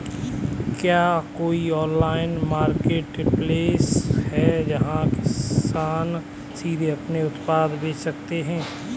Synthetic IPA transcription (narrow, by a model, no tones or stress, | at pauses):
kjaːkoːiɔ̃ːnlaːɪnmaːɾkeːʈpleːshɛd͡ʒɐɦãkɪsaːn | siːd̪ʱeɐpneʊt̪paːd̪beːt͡ʃsɐk̚t̪eɦɛ̃ː